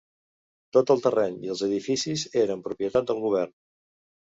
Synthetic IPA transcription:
t̪ot̪əlˠt̪ərɛɲiəlˠzəðifisizeɾəmpɾupjət̪at̪̚d̪əlˠɣuβ̞ɛrn

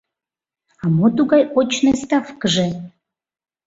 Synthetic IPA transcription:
ɑmot̪uɣɑjot͡ɕnəst̪ɑfkəʒe

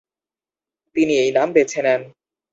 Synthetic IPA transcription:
t̪iniejnambet͡ɕʰenen

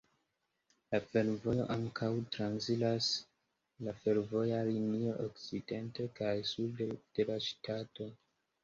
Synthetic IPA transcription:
lafe̞ɾvo̞jo̞̰ʔaŋkʰawtɾansilas | lafe̞ɾvo̞jalinioʔokt͡side̞nte̞kajsuddd̥e̞laʃtato̞

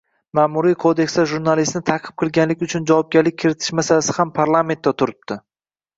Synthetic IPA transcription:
maːmʊɾijkʰod̪e̞ksd̪aʒuɾnalɪst̪nɪt̪ʰaqʰɨ̥p̚qʰɨlˠɡʲanlɪkʲʊt͡ʃʰʊnd͡ʒavɒp̚ɡʲaɾlɪk̚ʲʰːɪɾɪt̪ʰɪ̥ʃmasalasɪ̥hampʰaɾlˠame̞nt̪ːat̪ʰʊɾɪp̚t̪ʰɪ

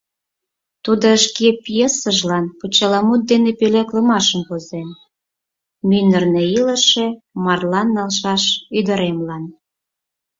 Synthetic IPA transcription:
t̪ud̪oəʃkepijesəʒlɑnput͡ɕɑlɑmut̪̚d̪enepeleklə̆mɑʃəmkozen | mynərneilə̆ʃe̽ | mɑrlɑnːɑlʃɑʃyd̪ə̆ɾemlɑn

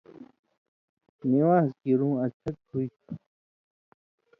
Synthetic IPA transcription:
niwaːzkiːɾũːɐt͡ɕʰɐk̪huit̪ʰu

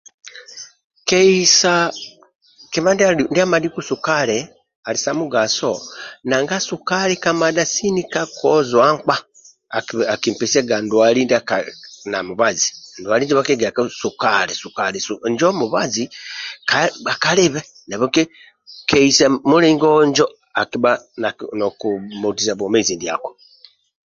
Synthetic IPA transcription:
keisa | kiβandandiamadikusukale | alisamuɡasonaŋɡasukalekamadasinikakʰozwaŋk͡pa | akimpeseɡandwalindakanamuβazindwalind͡ʒiβakeɡeakasukalesukalesuɲd͡ʒomuβazikaakaleβe | naβoke | keisamuliːŋɡoɲd͡ʒo | akiβananokumutizaβwomeziːndia̰ko

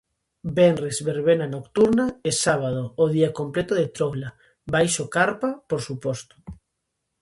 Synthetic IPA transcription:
benrezβeɾβenanokt̪uɾnaesaβ̞að̞oːðiakomplet̪oðet̪ɾowla | bajʃokaɾpapoɾsupost̪o̥

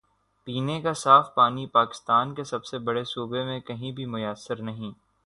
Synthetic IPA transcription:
piːnekasaːfpaːnipaːkɪ̥st̪aːnkesɐbsebɐɽesuːbemẽkɐɦĩbʱimʊjəsːəɾnɐɦĩː

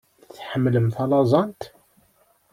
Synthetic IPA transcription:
θħəmːləmθɑlɑzˤɑnt̪

